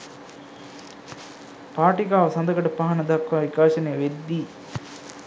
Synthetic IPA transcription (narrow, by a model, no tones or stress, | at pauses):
paːʈikaːʋɐsɐnd̪ɐkɐʈɐpaɦɐnɐd̪ɐkʋaːʋikaːʃɐneːʋed̪ːiː